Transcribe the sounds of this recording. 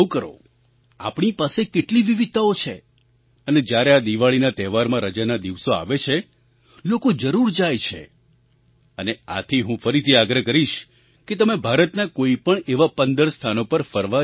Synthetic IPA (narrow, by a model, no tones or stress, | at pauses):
kəɾo̰ | a̰pɳipasekeʈliʋiʋid̪̚t̪aot͡ʃʰe | əned͡ʒjaɾead̪iʋaɭinat̪ɛʋaɾmãɾəd͡ʒanad̪iʋsoa̰ʋet͡ʃʰe | lokod͡ʒəɾuɾd͡ʒajt͡ʃʰḛ | ənea̰t̪ʰiɦũfəɾit̪ʰiaɡɾəkəɾiʃ | ket̪əmebʱaɾət̪nakoipəɳeʋapənd̪əɾst̪ʰanopəɾfəɾʋa